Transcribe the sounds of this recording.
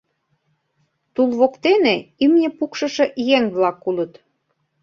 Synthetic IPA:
t̪ulβokt̪eneimnʲĕpukʃɤ̆ʃĕʔjeŋβlɑkːulɤ̆t̪

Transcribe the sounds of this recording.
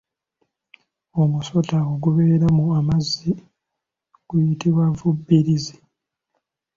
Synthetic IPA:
omusotaoɡuβeːɾamuamazi | ɡ̥ujitiβwavubːiɾizi

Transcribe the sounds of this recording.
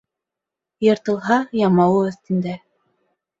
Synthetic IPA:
jɤ̆ɾt̪ɤ̆lˠɦɑjɑmɑwɤɵ̆θt̪ɘ̆nd̪æ

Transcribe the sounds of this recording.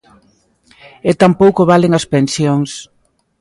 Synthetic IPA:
et̪ampowkoβaleŋɐspensjoŋs

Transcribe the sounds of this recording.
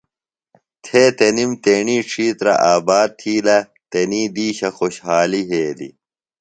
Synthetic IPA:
t̪ʰeːt̪enimt̪eːɳiːʈ͡ʂʰiːt̪ɾɐ̰ʔaːbaːd̪̚t̪ʰiːlɐ | t̪eniːd̪iːɕɐxoɕɦaːliɦeːd̪ḭ

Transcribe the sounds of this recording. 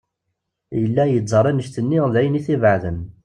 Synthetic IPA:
jəlːæjəd͡zzˤəɾˤænəʃt̪ənːiʁðæjniθivʕðən

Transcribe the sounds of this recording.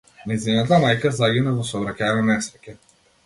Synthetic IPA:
najzinat̪amajkazaɡʲinavɔsɔvɾakʲananɛsɾɛkʲɛ

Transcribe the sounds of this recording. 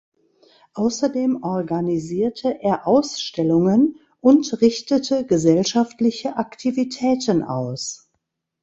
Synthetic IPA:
ʔaʊsɐdeːmʔɔɐɡaniziːɐtʰəʔeːɐʔaʊsʃtɛlʊŋən | ʔʊntʁɪçtətʰəɡəzɛlʃaftlɪçəʔaktʰivitʰɛːtənʔa̰ʊs

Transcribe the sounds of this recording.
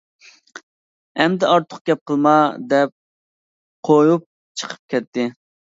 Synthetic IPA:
ɛmd̪ɛɑɾt̪ʰʊ̥χ̚ɡʲɛp̚qʰəlˠmɑd̪ɛp̚ | qʰojup̚ | t͡ʃʰə̥qʰə̥p̚kʲɛt̪ʰːɪ

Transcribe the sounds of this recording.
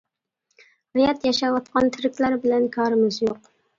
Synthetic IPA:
ɾɪjɑt̪jɑʃɑwɑt̪̚qɑnt̪ʰɪɾɪkʲlæɾbɪlænkʰɑːɾɪmɪzjoq

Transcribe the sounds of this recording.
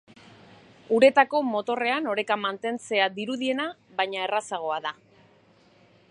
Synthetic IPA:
uɾe̞t̪ako̞mo̞t̪o̞re̞ano̞ɾe̞kamant̪e̞nt͡se̞ad̪iɾuðie̞naβajɲae̞rasaɣ̞o̞aða

